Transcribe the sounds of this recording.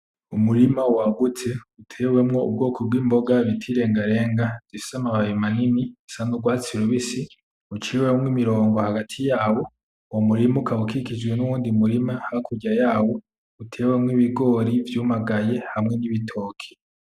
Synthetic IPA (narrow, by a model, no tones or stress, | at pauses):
umuɾimawaɡut͡se̞utʰe̞ːwe̞mŋo̞ṵb̚ɡo̞ːkʰob̚ɡwiːmbo̞ɡaβitʰiɾe̞ːŋɡaɾe̞ːŋɡaz̥isamaβajimaninisanuɡwaːt͡siɾuβisi | ut͡ʃiwemŋimiɾo̞ːŋɡo̞haɡatʰijaːwo̞ | womuɾimukʰawukikid͡ʒɡwenuwuːndimuɾimahaikʰuɟajaːwo̞ | utʰe̞ːwemŋiβiɡo̞ːɾivjuːmaɡaje̞hamŋe̞niβitʰo̞ːkʰi̥